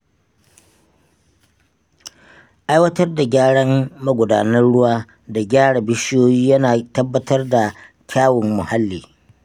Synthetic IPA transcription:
ʔa˦jwɐ˦tɐ˦rda˨ɡʲaː˦ɽɐ˦mmɐ˦ɡʷʊ˨daː˨nɐ˦rɽʊ˦waː˦ | da˨ɡʲaː˦ɽa˨bɪ˦ʃɪ˦joː˦jiː˦jɐ˦naː˨tɐ˦bːɐ˦tʰɐ˦rda˨ | kʲʰaː˦wʊ˨mːʊ˨ha˦lːiː˨

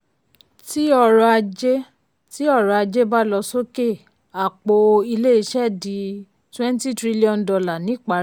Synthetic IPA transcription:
ti˦ɔ˧ɾɔ˧a˧d͡ʒe˦ | ti˦ɔ˦˨ɾɔ˧a˧d͡ʒe˦ba˦lɔ˧so˦ke˦˨ | a˨k͡po˧i˧le˦i˧ʃɛ˦˨di˨˧ | twɛ̃˦n˦ti˦tɾi˦li˦ɔ̃˧˨ndɔ˧la˨nĩ˨˦k͡pa˨˦ɾ

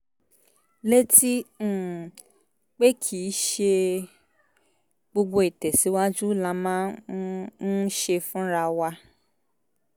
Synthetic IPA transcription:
le˦ti˦˨ | k͡pe˦kʰi˨˦ʃe˧ | ɡ͡bo˧ɡ͡bo˧i˨tɛ˨si˨˦wa˦d͡ʒu˦˨lã˧mã˦ | n̩˦ʃe˧fũ˦ɾa˧wa˧

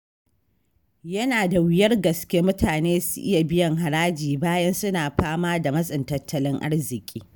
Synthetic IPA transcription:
jɐ˦naː˨da˨wɪ˦jɐ˦rɡɐ˨skʲeː˦mʊ˦tʰaː˨neː˦sʊ̥˦ʔɪ˦ja˨bɪ˦jɐ˨ŋɦa˨ɾaː˦d͡ʒiː˨baː˦jɐ˦nsʊ˦naː˨ɸaː˦maː˦da˨mɐ˦sʼɪ˨ntɐ˦tʰːɐ˦lɪ˦ŋʔa̰˦rzɪ˨kʲʼḭː˦

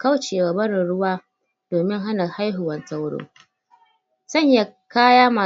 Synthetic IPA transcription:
ka˦wt͡ʃeː˨wa˨bɐ˦ɾɪ˨nɽʊ˦waː˦ | d̥oː˨mɪ˦ŋɦa˦na˨ha˦jɦʊ˨wɐ˦nsa˦wɽo̰ː˦ | z̥ɐ˦˨ɲja˦kaː˦jaː˦maː˨

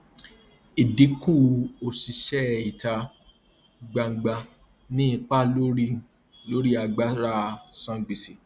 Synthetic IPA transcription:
i˨di˨˦kũ˦˧o˧si˧ʃɛ˦˨i˨ta˧ | ɡ͡ba˧ŋ̩˨ɡ͡ba˧ | nĩ˦i˧k͡pa˦lo˦ɾi˦ | lo˦ɾi˦a˧ɡ͡ba˦ɾa˦˨sã˧ɡ͡bi˨si˨

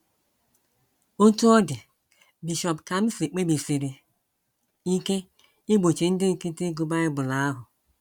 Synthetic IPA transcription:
o˦tu˦ɔ˦dɪ˨ | bi˨ʃɔ˨pka˨m̩˦fi˨k͡pe˦bi˨fi˨ɾi˨ | i˦ke˦ | i˦ɡ͡bo˨t͡ʃe˨n̩˦dɪ˦˨ki˦ti˦ɡu˨ba˦ɪ˦bʊ˨la˦a˦ɦʊ˨

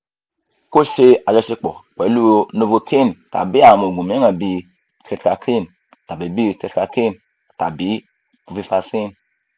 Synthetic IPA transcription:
ko˦ʃe˧a˨d͡ʒɛ˧ʃi˧k͡pɔ̰˨k͡pɛ˨˦lu˦o˧no˧vo˧kʰe˦˨n˨ta̰˨bi˦a˨mo˨ɡu˨m˨e˦ŋã˨bi˧ | te˧tka˧kʰi˦n˨ | ta˨bi˨˦bi˦˨te˧tka˧ke˦n | ta˨bi˨˦ | o˨fi˧fa˧si˦n

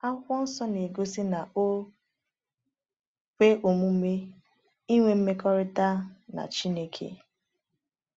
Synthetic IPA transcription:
a˦kʷɔ˦n̩˦sɔ˦ne˨ɡo˦si˦na˨ʔo˦ | kʷe˦ʔo˨mu˦me˦ | i˦ŋʷe˦m̩˦me˦kɔ˦ɾɪ˦ta˦na̰˨t͡ʃi˦ne˦kʰḛ˦

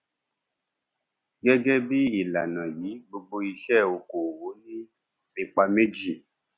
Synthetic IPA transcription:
ɡɛ˦ɡɛ˦bi˦i˦˨la̰˨nã˨jiː˨˦ɡ͡bo˧ɡ͡bo˧i˧ʃɛ˦o˨ko˨wo˨˦nĩ˦ | i˧k͡pa˧me˦d͡ʒi˦˨

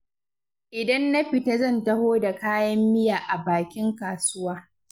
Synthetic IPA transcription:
ʔɪ˨dɐ˦nːa˦ɸɪ˨ta˦zɐ˦˨ntɐ˦hoː˦da˨kaː˦jɐ˦mːɪ˦jaː˨ʔa˨baː˨kʲɪ˦ŋkaː˨sʊ˦waː˦

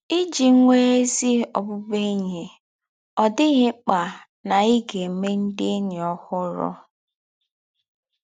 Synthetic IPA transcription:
i˦d͡ʒi˨˦ŋʷe˦e˦zi˦ɔ̰˨bʊ˦be˦ɲe˨ | ɔ˨dɪ˦ɣɪ˦k͡pa˨ | na˨i˦ɡe˨me˦n̩˦dɪ˦nɪ˨ɔ˦hʊ˦ɾɔ̰˦

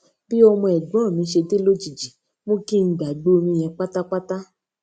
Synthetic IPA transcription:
bi˦ɔ˧mɔ̃˧ɛ˨ɡ͡bɔ̃˨˦˨mĩ˨˧˦ʃe˧te˦lo˦d͡ʒi˨d͡ʒi˨ | mõ˦ki˦n̩˦ɡ͡ba˨ɡ͡bo˦˧ɾĩ˧jɛ̃˧k͡pa˦ta˦k͡pa˦ta˦

